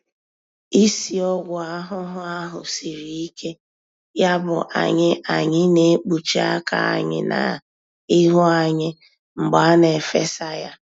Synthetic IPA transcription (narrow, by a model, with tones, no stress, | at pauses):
i˦si˨ɔ˦ɡʷʊ˨a˦ɦʊ˦ɦʊ˦a˦ɦʊ˨si˨ɾi˨i˦ke˦ | ja˦bʊ̰˨ʔa̰˨ɲɪ˦ʔa˨ɲɪ˦ne˨˦k͡pu˨t͡ʃi˦a˦ka̰˨a̰˨ɲɪ̰˦˨na̰˨ | ɪ˦ɦʊ˦a˨ɲɪ˦ | ŋ͡m̩˨ɡ͡ba˨a˦ne˨fe˦sa˦ja˦